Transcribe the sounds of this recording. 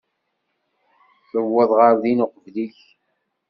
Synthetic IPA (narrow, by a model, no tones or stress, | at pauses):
θəvːəðˤʁəɾðinʊqəvliç